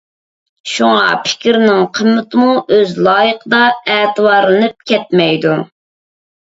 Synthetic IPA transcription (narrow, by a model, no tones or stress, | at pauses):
ʃuŋɑ̰pʰɪ̥kʲɾnɪŋqʰəmːɪt̪ɨmuʔøzlˠɑːjəqəd̪ɑɛːt̪ʰɨwɑɾˠɨnɨp̚kʲʰɛt̪̚mɛjd̪u